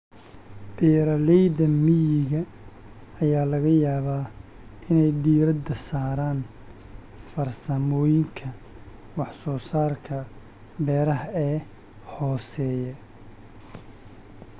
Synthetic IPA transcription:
ɖiːɾɐlɛjðɐmɪjɪɣɐ | ɐjaːlɐɣɐjaːβaː | ɪnɛjɖiːɾɐd̪ɐsaːɾaːn | fɐrsɐmɔːjɪŋkʰɐ | wɑħsɔːsaːrkʰɐ | bɛːɾɐɦɐɛː | hɔːsɛːjɛ

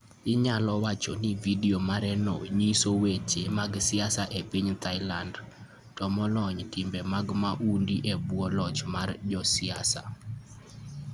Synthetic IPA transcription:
ɪɲalɔwat͡ʃonividiomaɾɛno̰ɲisowet͡ʃemaɡsɪasaʔepiɲt̪aɪland | tɔmɔlɔɲtɪmbɛmaɡmaʔundiʔebwɔlɔt͡ʃmard͡ʒɔsɪasa̰

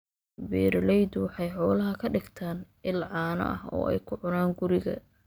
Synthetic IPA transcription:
biːɾlɛjd̪wɑħɑjħɔːlɐɦɐkʰɐɖɪɡt̪ʰaːn | ɪlʕɑːnɐ̰ʔɐ̰hɔ̰ːɛ̰jkʰʊʕʊnaːŋɡʊɾɪɣɐ̰

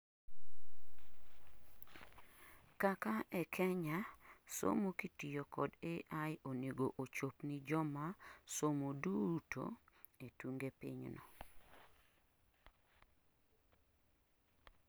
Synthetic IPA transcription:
kakaʔɛkʰɛɲaso̰mokitijokɔ̰deʔajoneɡoʔot͡ʃopnid͡ʒɔmasomoduto̰ | etuŋɡepḭɲnɔ̰

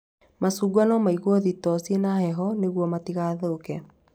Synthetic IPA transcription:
masuːɡuanɔmaiɣwɔðitɔsienahɛɦɔneɣwɔmatiɣaːðookɛ

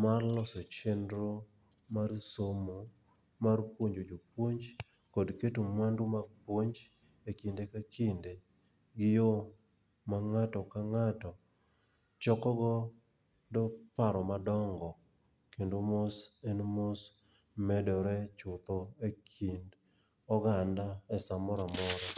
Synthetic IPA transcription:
marlɔsɔt͡ʃɛndɾo | marsomo | marpwoɲd͡ʒod͡ʒopwoɲd͡ʒ | kɔdketomwandomaɡ̚pwoɲd͡ʒ | ekindekakʰinde | ɡɪjo | maŋatɔkaŋatɔ | t͡ʃɔkɔɡɔ | dɔpaɾɔmadɔŋɡɔ | kendomosenmos | mɛdɔɾɛt͡ʃʊt̪ɔekʰind | ɔɡandaɛsamɔɾamɔɾɛ

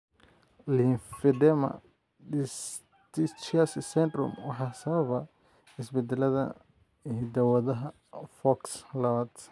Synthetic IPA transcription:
linfɪd̪ɛmɐ̰ | ds | t̪it͡ʃassɛnd̪rɔ̰mwɑħɑːsɐβɐβɐ | ɪsbɛd̪ɛlɐðɐ̰ | hɪd̪ɐwɐðɐɦɐ | fɔkslɐβad̪

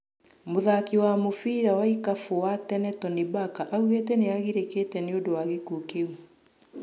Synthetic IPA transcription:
moðakiwamofiɾawaikafowatɛnɛtɔnebakaʔauɣetɛneaɣiɾekeːtɛneodowaɣekukeu

